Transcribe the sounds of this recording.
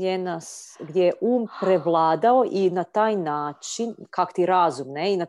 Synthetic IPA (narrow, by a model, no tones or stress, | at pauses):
enasɡd̪jejeʔuːmpɾeʋlˠaːd̪ao̞ʔinat̪aːjnaːt͡ʃinkako̥t̪iɾazumneina